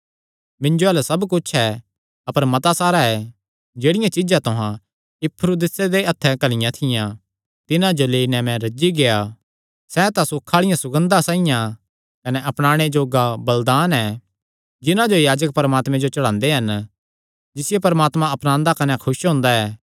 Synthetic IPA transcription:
mɪ̃nd͡ʒoɛːlɛsɐbkʊt͡ʃʰɛ | ɐpəɾmɐt̪asaːɾaɛ | d͡ʒeːɽɪjãt͡ʃɪd͡ʒãt̪ʊɦã | ɪpʰːɾoːd̪ɪsed̪eɐt̪ʰːɛkɐlɪjãt̪ʰɪjã | t̪ɪnãd͡ʒoleːinɛmɛ̃ɾɐd͡ʒiɡea | sɛt̪ãsʊkʰːaːɭɪjãsʊɡə̃nd̪asãːɪjã | kɐnɛʔɐpɽ̃aːɽ̃ed͡ʒoːɡabɐld̪aːnɛ | d͡ʒɪnãd͡ʒojaːd͡ʒək̚pɐɾmaːt̪mɛ̃d͡ʒot͡ʃɐɽãːnd̪eɦɐn | d͡ʒɪsɪjepɐɾmaːt̪mãɐpnãːnd̪akɐnɛkʰʊʃɦõːnd̪aɛː

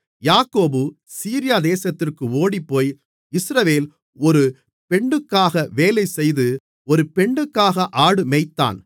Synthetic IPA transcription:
jaːkoːbɯ | siːɾɪjaːd̪eːsɐt̪ːɪrkɯoːɽipːoːj | ɪsɾɐʋeːl | ɔɾɯ | pɛɳɖɯkːaːɣɐʋeːlɐɪsɛjðɯ | ɔɾɯpɛɳɖɯkːaːɣɐʔaːɽɯmɛɪt̪ːa̰ːn

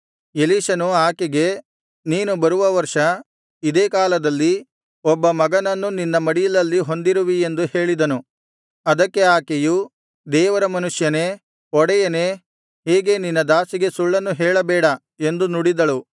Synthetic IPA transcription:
eliːʃɐnuaːkeɡe̞ | niːnubɐɾuʋɐʋɐɾʂɐ | id̪eːkaːlɐd̪ɐlːi | ɔbːɐmɐɡɐnɐnːuninːɐmɐɽijɐlɐlːiɦo̞nd̪iɾuʋie̞nd̪uhe̞ːɭid̪ɐnu | ɐd̪ɐkːe̞aːkeju | d̪ɛːʋɐɾɐmɐnuʂjɐne̞ | ɔɽɛjɐne̞ | ɦeːɡe̞ninːɐd̪aːsiɡe̞suɭːɐnːuɦɛːɭɐbɛːɽɐ | e̞nd̪unuɽid̪ɐɭu

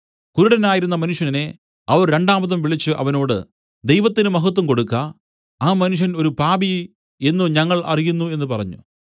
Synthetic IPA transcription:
kuɾuɽɐnaːjiɾunːɐmɐnuʂjɐnine̞ | ɐʋɐrɾe̞ɳɖaːmɐðɐmʋiɭit͡ɕːɨʔɐ̰ʋɐno̞ːɽɨ̰ | d̪e̞jʋɐt̪ːinɨmɐɦɐt̪̬ːɐmko̞ɽukːɐ | aːmɐnuʂ̬jɐno̞ɾupaːbi | e̞nːuɲɐŋːɐɭʔɐ̰rijunːue̞nːɨpɐrɐɲːṵ

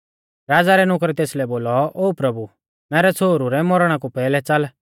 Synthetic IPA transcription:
ɾaːd͡zaɾɛnʊkɾɛt̪eːslɛboːlɔoːpɾɐbu | mɛːɾɛt͡sʰoːɾuɾɛmɔɾɽ̃ãkupɛːlɛt͡sɐl

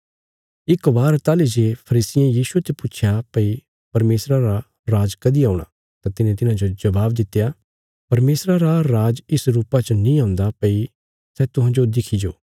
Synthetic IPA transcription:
ɪkbaːɾt̪aːlid͡ʒeːpʰɐɾiːsɪjãjiːsuet̪epʊːt͡ʃʰjapɐi | pɐɾmeːsɾaɾa | ɾaːd͡ʒkɐd̪iaːʊɽ̃a̰ | t̪ãt̪ɪnẽt̪ɪnãd͡ʒod͡ʒɐbaːb̚d̪ɪt̪ːeja | pɐɾmeːsɾaɾaɾaːd͡ʒɪsɾuːpat͡ʃnĩãːʊ̃nd̪apɐi | sɛːt̪ʊɦãd͡ʒod̪ɪkʰid͡ʒoː

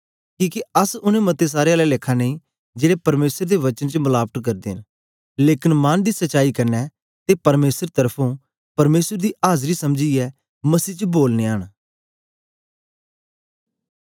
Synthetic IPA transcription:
kĩːkiɐsʊnẽmɐt̪es̬aːɾeaːlɛlɪkʰaneĩ | d͡ʒeːɽepɐɾmeːsəɾd̪eʋɐt͡ʃənt͡ʃəmʊlaːbəʈ̪kɐɾd̪ḛn | leːkɪnmand̪iːsəːʃaːikɐɾnɛː | t̪epɐɾmeːsəɾt̪əɾpʰõ | pɐɾmeːsəɾd̪iːʔaːzɾisɐmd͡ʒiɛː | mɐsiːt͡ʃəboːlneːəːɳ

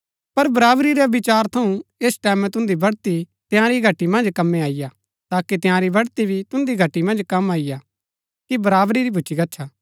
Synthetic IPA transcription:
pɐɾbɐɾaːbɾiɾeɐbɪt͡ʃaːɾt̪ʰɐũeːsʈɛːmɛ̃t̪ʊ̃nd̪ibɐɽt̪i | t̪ɪjãːɾiɡʱɐʈːimɐ̃nd͡ʒkɐmːẽaːɪja | t̪aːkit̪ɪjãːɾibɐɽt̪ibʱit̪ʊ̃nd̪iɡʱɐʈːimɐ̃nd͡ʒkɐmaːɪja | kibɐɾaːbɾiɾibʱut͡ʃikɐtːt͡ʃʰaː

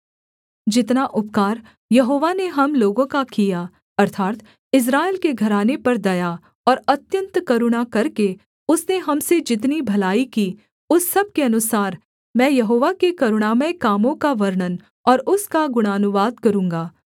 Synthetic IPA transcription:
d͡ʒɪt̪naʔʊp̚kaːɾ | jɐɦoːʋaneɦɐmloːɡõkakija | ɐɾt̪ʰaːt̪ | ɪs̬ɾaːelkeɡʱɐɾaːnepɐɾd̪ɐja | ɔːɾɐt̪jə̃nt̪kɐɾʊɽ̃akɐɾke | ʊsneɦɐmsed͡ʒɪt̪̬nibʱɐlaːikiː | ʊsːɐb̚keɐnʊsaːɾ | mɛ̃ːjɐɦoːʋakekɐɾʊɽ̃aːməjkaːmõkaʋɐɾɳən | ɔːɾʊskaɡʊɽ̃aːnʊʋaːd̪̚kɐɾũːŋɡaː

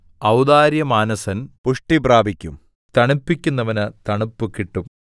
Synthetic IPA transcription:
ɐwd̪aːɾjɐmaːnɐsɐnpuʂʈibraːbʱikʲːum | t̪ɐɳupːikʲːunːɐʋɐnɨt̪ɐɳupːukːiʈːum

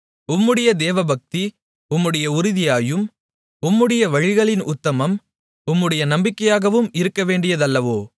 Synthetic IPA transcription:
ʊmːɯɽɐjɐd̪eːʋɐbɐk̚t̪i | ʊmːɯɽɐjɐʊɾɪðɪjaːjɯm | ʊmːɯɽɐjɐʋɐɻɪɣɐɭɪnʔʊt̪ːɐmɐm | ʊmːɯɽɐjɐnɐmbɪkːɐjaːɣɐʋɯmɪɾɯkːɐʋeːɳɖɪjɐðɐlːɐʋoː

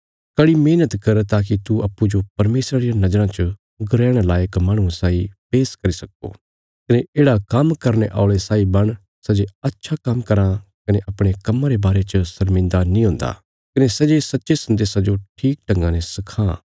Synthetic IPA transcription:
kɐɽimeːnət̪kɐɾt̪aːk̬it̪uʔɐpːud͡ʒopɐɾmeːsɾaɾijanɐd͡ʒɾãt͡ʃə | ɡʊɾɛːɽ̃alaːjəkmãːɽ̃ũsaːipeːskɐɾisɐko̰ | kɐneʔeːɽakɐmkɐɾneʔa̰ːɭesaːibɐɽ̃ | sɛd͡ʒeɐtːʃʰakɐmkɐɾãkɐneʔɐpɽ̃ekɐmːãɾebaːɾet͡ʃəsɐɾmɪ̃nd̪anĩɦõːnd̪a̰ | kɐnesɛd͡ʒesɐtːʃesɐ̃nd̪eːsad͡ʒoʈʰiːk̚ʈɐ̃ŋɡãnɛsɐkʰã

